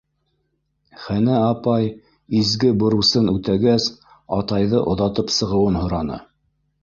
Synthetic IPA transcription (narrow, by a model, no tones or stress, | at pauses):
χænæɑpɑj | izɡɘbŏɾusɤnʉt̪æɡæs | ɑt̪ɑjðɤʔŏðɑt̪ɤpsɤ̆ʁɤ̆wɤnhŏɾɑnɤ̰